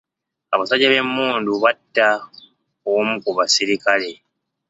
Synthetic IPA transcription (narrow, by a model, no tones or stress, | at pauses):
aβasaɟaβe̞mːuːnduβatːa | omukuβasiɾikale